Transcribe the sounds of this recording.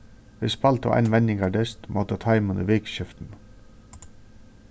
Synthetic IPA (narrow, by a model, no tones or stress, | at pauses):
ʋɪsbɑlt̪ʰo̰ːʔɑ̰nʋɛnɪŋɑːɖɛst̪mʔot̪ət̪ʰɑɪmənə̰ːʋeːkʃʏft̪n̩